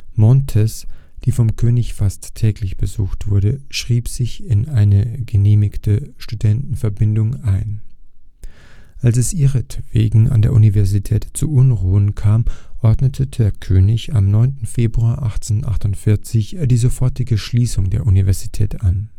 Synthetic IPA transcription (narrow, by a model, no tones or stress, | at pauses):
mɔntʰɛs | d̥iːfɔmkʰøːnɪçfastʰːɛːklɪçb̥əzuːxtv̥ʊɐɾəʃʁ̥iːpz̥ɪçɪnaɪnəɡ̥əneːmɪktʰəʃtudɛntn̩fɛɐbɪndʊŋʔaɪn | ʔalsɛsʔiːʁətv̥ḛːɡŋ̩ʔa̰ndeːɐʔunivɛɐzitʰɛːtt͡suʔʊnʁuːənkʰaːmʔɔɐdnətʰədeːɐkʰøːnɪçamnɔʏntn̩feːbʁuaːɐʔaχt͡seːnʔa̰χtʊntfɪɐt͡sɪçdiːzofɔɐtɪɡəʃliːsʊŋdḛːɐʔunivɛɐzitʰɛ̰ːtan